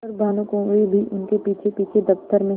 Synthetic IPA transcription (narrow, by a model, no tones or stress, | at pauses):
əɾbaːnũkõːibʱiʔʊnkepiːt͡ʃʰepiːt͡ʃʰed̪ɐft̪əɾmẽ